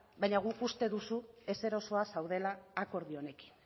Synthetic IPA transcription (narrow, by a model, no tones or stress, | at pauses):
bajɲaɣ̞ukust̪e̞ðusue̞se̞ɾo̞so̞asawðe̞laːko̞ɾðio̞ne̞ki̥n